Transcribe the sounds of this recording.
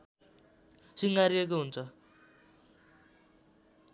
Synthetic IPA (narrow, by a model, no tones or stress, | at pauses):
siŋɡaɾiek̬oɦunt͡sʰʌ